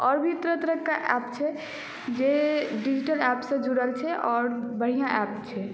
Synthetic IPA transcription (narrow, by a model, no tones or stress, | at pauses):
ɔɾbʱit̪ɾət̪ɾəkaʔɛpt͡ʃʰɛ | d͡ʒeɖid͡ʒiʈəlɛpsə̃d͡ʒuɾəlt͡ʃʰɛʔɔɾbəɦijãʔɛpt͡ʃʰɛ